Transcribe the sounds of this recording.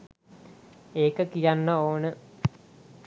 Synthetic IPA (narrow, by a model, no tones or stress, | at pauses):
eːkəkijanːəoːnə